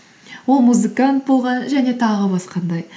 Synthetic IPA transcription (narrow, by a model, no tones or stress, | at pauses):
wo̞lˠmuzɨkant̪̚bolˠʁɑnʒæne̞t̪ʰɑʁəbɑsqɑnd̪ɑj